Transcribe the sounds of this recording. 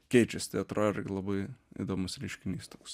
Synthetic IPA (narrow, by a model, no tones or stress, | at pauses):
kʲɛɪt͡ʃʲɛsʲt̪ɐɪɐt̪ɾoːɪɾɡʲɪlˠɐbɐɪɪ̰d̪oːmʊsɾʲɛɪʃʲkʲɪnʲiːst̪oːks